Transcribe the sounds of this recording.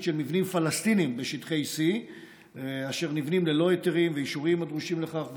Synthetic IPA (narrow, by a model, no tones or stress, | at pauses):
tʃelmivnimfalast̪inimbeʃit̪χesi | aʃe̞ʁnivnimlelo̞et̪eʁimveiʃuʁimad̪ʁuʃimle̞χaχv